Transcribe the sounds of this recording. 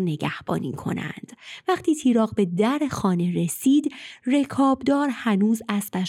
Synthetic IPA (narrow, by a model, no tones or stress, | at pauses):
ne̞ɟæhb̥ɒ̰ːnḭːkʰo̞̰næ̰nd̪̥væχt̪ʰiːt̪ʰiːɾɒːɣbe̞d̪æɾexɒːneɾe̞siːd̪re̞kʰɒːbd̪ɒːɾhænuːzæspæʃ